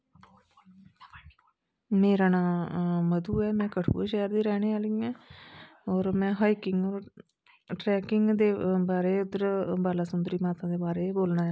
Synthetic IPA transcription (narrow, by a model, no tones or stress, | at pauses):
meːɾaːnaːməd̪uːɛːmɛ̃ːkəʈʰpṵːʃɛːɾd̪iːɾɛːñeːaːliiãː | ɔːɾmɛ̃ːɦaːiːkɪŋɡɔːɾ | ʈɾɛːkɪŋɡd̪eːbaːɾeːʊd̪əɾbaːlaːsʊnd̪əɾiːmaːt̪ãːd̪eːbaːɾeːboːlnãːaː